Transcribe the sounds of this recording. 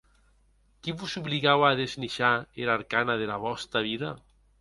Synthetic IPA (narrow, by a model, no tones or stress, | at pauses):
kiβuzuβliɣawaðezniʃaeɾaɾkanaðelaβɔst̪ɾaβiða